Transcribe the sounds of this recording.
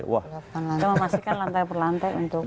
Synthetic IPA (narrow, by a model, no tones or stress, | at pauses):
wa̰lapanlaməmasikanlant̪apərlant̪ajunt̪ʊk